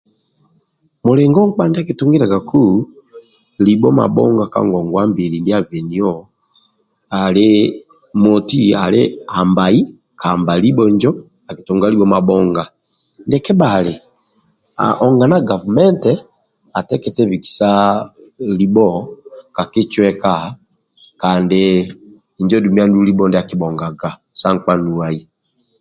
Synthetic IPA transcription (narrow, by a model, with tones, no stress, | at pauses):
mu˨leŋɡɔ˦ŋk͡pa˦ndi˦a˦ki˨tu˦ŋɡi˦ɾa˨ɡa˨ku˦ | libɔ˦ma̰˨ɓɔ̰˦ŋɡa˨ka̰˦ŋɡɔ˨ŋɡwa˦mbi˨ɾi˨ndia˦vɛ˨ni˨ɔ | a˨le˦ | mo˨ti˦a˨lḛ˦a˨mbai˦ | ka˨mba˨li˦bɔ˨ɲd͡ʒɔ˦ | a˨ki˨tu˨ŋɡa˦li˦wɔ˦ma˨ɓɔ˦ŋɡa˨ | ndɛkɛ˦bale | a̰˨ʔɔ˨ŋɡa˨naɡa˨vumɛ˦ntɛ | a˨tɛ˦kɛtɛβiki̥˨sa | libɔka˨ki˦t͡ʃwɛka | kaːndɪ | ɲd͡ʒɔ˦dumia˦ndulibɔndɛa˨kibɔŋɡa˨ɡa˨ | sa˦ŋkwa˦nuai˨